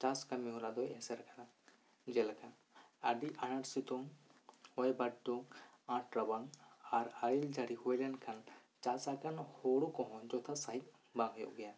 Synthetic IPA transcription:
t͡ʃaskamiɦɔlad̪ɔjɛsɛɾkana | d͡ʒɛlaka | a̰ɖiʔanaɾsit̪ɔŋhɔjbaʈ̚dɔŋãʈɾabaŋaɾaild͡ʒaɽihujlankʰant͡ʃasakanhoɽukɔ̃ɦɔ̃d͡ʒɔt̪ʰasaɦik̚ | bãɡʱjɔ̰ʔɡɛja

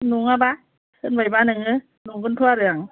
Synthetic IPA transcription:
nuŋaba | kɯnbajbanɯŋɯ | nuŋkɯnt̪ʰuaɾɯaŋ

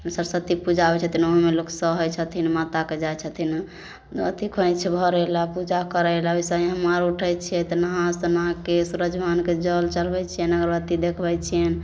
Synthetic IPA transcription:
səɾsət̪ipud͡ʒabɛt͡ʃʰət̪ʰinoɦĩmeloksəɦojt͡ʃʰət̪ʰinmat̪aked͡ʒajt͡ʃʰət̪ʰin | t̪ət̪ikʰə̃jt͡ʃʰɛbʱɔɾɛlapud͡ʒakəɾɛlaoisaiɦəmaɾuʈʰɛjt͡ʃʰijɛt̪nəɦãst̪ɔnɦãkesuɾəd͡ʒbʱanked͡ʒəlt͡ʃəlbɛt͡ʃʰijənəɡəɾbət̪id̪ekʰbɛjt͡ʃʰijɛn

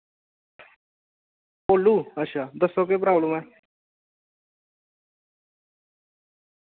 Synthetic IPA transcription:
poːluːəʃʰaːd̪əsːokepɾaːbləmɛː

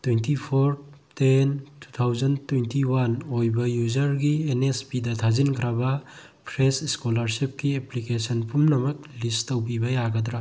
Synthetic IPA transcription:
twejntipʰoɾ | tentu̥t̪ʰawzɐntwejntiwanojbɐjud͡ʒɐɾɡienespidɐtʰazinkʰɾɐbɐ | pʰɾesskolaɾsip̚kieplikesɐnpʰumnɐmɐk̚listɐwbibɐjaɡɐdɾa

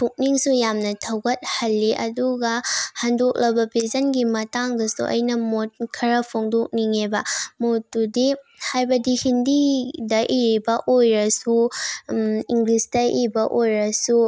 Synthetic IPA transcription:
tʰuk̚niŋsujamnɐtʰɐwɡɐt̚hɐlːiʔɐ̰duɡɐhɐndok̚lɐbɐpizɐnɡimɐtaŋdɐsṵʔɐ̰jnɐmot̚kʰɐɾɐpʰoŋdok̚niŋebɐmotːudi | hajbɐdihindidɐʔiɾibɐʔojɾɐsu | iŋɡlisdɐʔibɐʔojɾɐsu

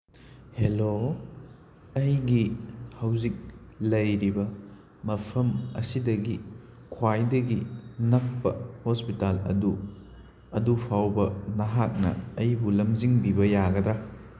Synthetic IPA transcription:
helo | ɐjɡihɐwzik̚lɐjɾibɐ | mɐpʰɐmɐ̰sidɐɡi | kʰwajdɐɡinɐk̚pɐ̰hospitalɐ̰du | ɐdupʰawbɐnɐɦak̚nɐ̰ːjbulɐmd͡ʒiŋbibɐjaɡɐd̪ɾa

